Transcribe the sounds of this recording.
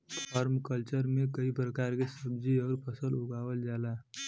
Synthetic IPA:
t̪ʰaːɾmkəlt͡ʃəɾmẽkəipɾəkaːɾkesəbd͡ʒiɔːɾpəsəlʊɡaːwəld͡ʒaːlaː

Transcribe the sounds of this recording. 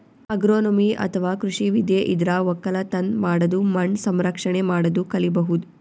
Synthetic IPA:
ɐɡɾoːnomiʔɐ̰t̪ʰɐʋaːkɾuʂiʋid̪jeʔid̪ɾaːʋɐkːɐlɐt̪ɐnmaːɽɐd̪umɐɳsɐmɾɐkʂɐɳemaːɽɐd̪ukɐlibɐɦud̪u

